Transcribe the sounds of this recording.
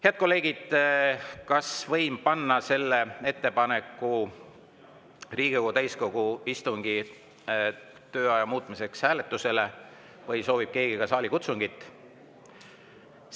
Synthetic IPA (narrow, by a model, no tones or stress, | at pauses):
heɑd̪̥̚ko̞lːe̞ːɡ̥id̪̥ | kɑsvɤjmpɑnːɑse̞lːee̞t̪ːe̞pɑne̞kːˑu | riːɡ̥ikoɡut̪æjsko̞ɡ̥uist̪uŋɡ̥i | t̪ø̞ːɑjɑmuːt̪ˑmise̞kshæːle̞t̪ːˑuse̞le̞ | vɤjso̞ːvib̥̚ke̞ːɡ̥iɡ̥ɑsɑːlikut̪suŋɡit̪ːˑ